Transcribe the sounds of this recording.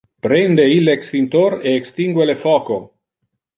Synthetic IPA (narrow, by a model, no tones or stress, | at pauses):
pɾend̪eilːekst̪int̪oɾeːkst̪iŋɡwelefɔːko